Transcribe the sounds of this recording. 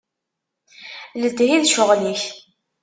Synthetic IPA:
ləd̪ɦiðʃʊʁliç

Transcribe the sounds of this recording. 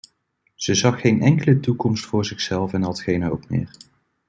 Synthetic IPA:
z̥əzɑχːejnɛŋkələtukɔmstfʊːɹzɪχsɛlˠfɛnɦɑtχejnɦowpmɪ̰ːɹ

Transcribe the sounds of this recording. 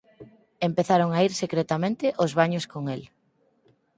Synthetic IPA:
empeθaɾoŋaiɾsekɾet̪amẽnt̪ɪʔʊzβaɲoskoŋel

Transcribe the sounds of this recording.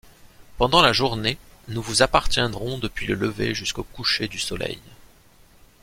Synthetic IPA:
pɑ̃d̪ɑ̃laʒuʁnenuvuzapaʁt̪jɛ̃d̪ʁɔ̃d̪əpɥilələvḛʒyskokuʃed̪ysɔlɛ̰j

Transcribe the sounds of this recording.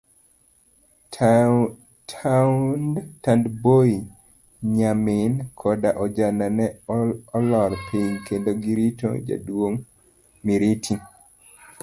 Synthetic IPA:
tʰandtandboi | ɲamɪnkʰɔdaʔɔd͡ʒananɛɔlɔɾpʰiɲkendoɡiɾito̰d͡ʒa̰dwoŋ | miɾitʰi

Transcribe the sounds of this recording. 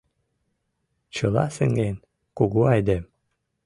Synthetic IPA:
t͡ɕɤlˠɑ̰sɘŋɡen | kuɣuɑjd̪em

